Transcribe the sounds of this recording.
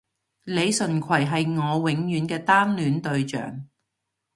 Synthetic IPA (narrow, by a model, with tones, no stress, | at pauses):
le˨˧jsɵ˨˩nkʷʰɐ˨˩jɦɐ˨jŋɔː˨˧wɪ˨˥ŋjyː˨˥nkɛː˧t̪aː˥nlyː˨˥nt̪ɵ˧ɥt͡ʃœ̰ː˨˩ŋ